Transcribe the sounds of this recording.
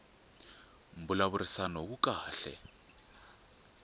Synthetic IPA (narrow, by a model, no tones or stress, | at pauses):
m̩bulaβʊɾisanɔkukʼaːɬɛ̰